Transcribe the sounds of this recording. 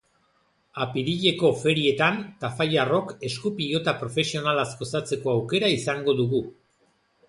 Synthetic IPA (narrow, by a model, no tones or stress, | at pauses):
apiɾiʎe̞ko̞fe̞ɾie̞t̪ant̪afajaro̞ke̞skupiʎo̞t̪apɾo̞fe̞sio̞nalasko̞sat͡se̞ko̞awke̞ɾaisaŋɡo̞ðuɣu